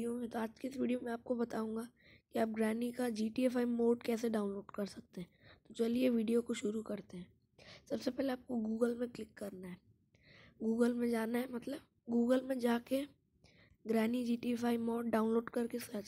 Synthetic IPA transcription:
ijomẽt̪oaːd͡ʒkeɪsʋiːɖijomɛ̃aːp̚kobɐt̪aːũːŋɡa | kiaːp̚ɡɾɛːnikad͡ʒiːʈiɛːfʰaːimoːɖkɛːs̬eɖaːʊ̃nloːɖkɐɾsɐk̚t̪eɦɛ̃ːt̪ot͡ʃɐlieʋiːɖijokoʃʊɾukɐɾt̪eɦɛ̃ː | sɐbsepɛːleaːp̚koɡuːɡəlmẽklɪkːɐɾnaɦɛː | ɡuːɡəlmẽd͡ʒaːnaɦɛmɐt̪ləb̚ | ɡuːɡəlmẽd͡ʒaːke | ɡɾɛːnid͡ʒiːʈiɛpʰaːimoːɖɖaːʊ̃nloːɖkɐɾkesɐt͡ʃ

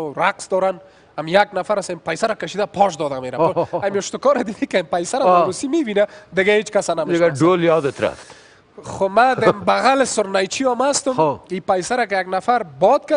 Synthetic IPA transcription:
ɾaqsd̪ɔɾan | amjaɡnafaɾasempajsaɾakaʃid̪apʰɔʃd̪ɔd̪ameɾaamiʊʃt̪ʊkɔɾad̪ɪɡikempajsaɾanusimewinad̪ɪɡaet͡ʃkasanamdeɪɡaɖoljɔd̪et̪ɾa̰ft̪ | xomad̪ɪmbaɣalɪsʊɾnajt͡ʃiɔmast̪ʊmipajsaɾakɪjaɡnafaɾbɔd̪̚ka

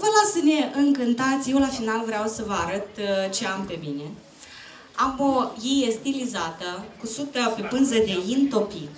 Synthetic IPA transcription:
vəlasəne̞ʔɨŋkɨnt̪at̪sʲje̞wlafinalvɾeawsəvəaɾət̪t͡ʃe̞ampe̞mine̞ | amojijest̪ilizat̪əkusut̪əpe̞pɨnzəd̪e̞int̪o̞pi

